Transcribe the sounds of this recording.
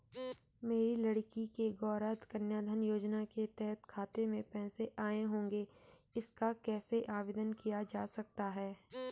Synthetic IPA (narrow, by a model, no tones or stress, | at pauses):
meːɾilɐɽkikeɡɔːɾaːt̪kɐnjaːd̪ʱənjoːd͡ʒnaket̪ɛɦət̪kʰaːt̪emẽpɛ̃ːseʔaːeɦõːŋɡe | ɪskakɛːseʔaːʋɪd̪ənkijad͡ʒaːsɐk̚t̪aɦɛː